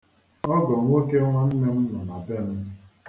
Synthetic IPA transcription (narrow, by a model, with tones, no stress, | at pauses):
ɔ˦ɡɔ˨ŋʷ˦o˦ke˦ŋʷa˦n̩˦me˦m̩˦nɔ˨na˨be˦m̩˦